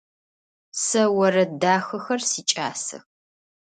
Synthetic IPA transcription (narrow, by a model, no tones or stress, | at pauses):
sɐwɐrɐdaːxɐxɐrsiːt͡ʃʼa̰ːsɐ̰x